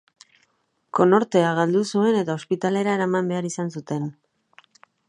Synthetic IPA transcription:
ko̞no̞ɾt̪e̞aɣ̞ald̪usue̞ne̞t̪ao̞spit̪ale̞ɾaeɾamambe̞aɾisansut̪e̞n

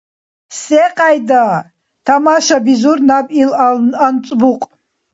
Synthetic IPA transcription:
seqʼajd̪a | t̪ʰamaʃabizurnabʼilant͡sʼbuqʼ

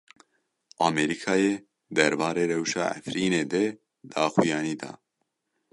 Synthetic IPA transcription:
ʔɑːmɛɾikʰɑːjeː | d̪ɛɾbɑːɾeːɾɛwʃɑ̰ːʔæ̰fɾiːneːd̪e | d̪̥aːxujɑːniːd̪ɑ̰ː

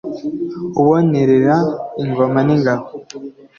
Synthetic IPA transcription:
uβoneɾeɾaiŋɡomaniŋɡaho

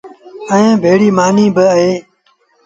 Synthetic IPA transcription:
əẽːbʱeːɽiːmaːniːbɪəɦeː

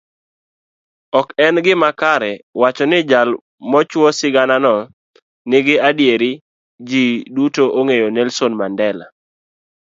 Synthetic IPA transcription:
ɔkɛnɡɪmakaɾɛwat͡ʃɔnɪd͡ʒal | mɔt͡ʃwɔsɪɡananɔ | nɪɡɪadjeɾɪ | d͡ʒidutoʔoŋejonɛlsonmandɛla̰

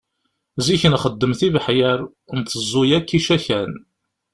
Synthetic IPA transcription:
ziçənχəd̪ːəmθivħjəɾ | nt̪ːəzˤːʊjækːiʃæçæn

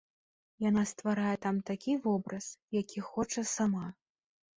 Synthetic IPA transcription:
janast̪vaɾajɛt̪amt̪akʲivɔbɾɐsjakʲixɔt͡ʂɐsama

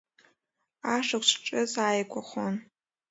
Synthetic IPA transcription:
aʂakʷt͡ʃʷʰʈ͡ʂʼɨzaːjkʷʰʼaχʷon

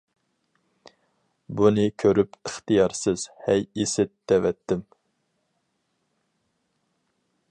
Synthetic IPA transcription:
bunɪkʲʰøɾypəχt̪ijɑɾsɪz̥hɛjisɪt̪̚d̪̥ɛvɛt̪ːɪm

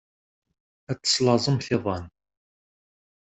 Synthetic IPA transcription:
æt͡sːə̥slɑzˤəmθiðˤɑn

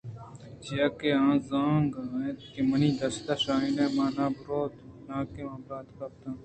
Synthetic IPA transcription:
d͡ʒijɐkeãːzãːŋɡaet̪kemɐnĩːd̪ɐst̪aʃaːinẽːmaːnãːbʊɾoːt̪nãːkeãːbɾaːt̪kɐp̚t̪ãː

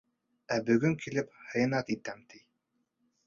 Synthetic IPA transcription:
æbɵ̆ɡɵŋkʰilɘphɤ̆jɤ̆nɑt̪it̪æmt̪ʰij

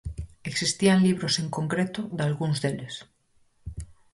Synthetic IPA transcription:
eksist̪ianliβ̞ɾoseŋkoŋkɾet̪oðalɣunzðeles

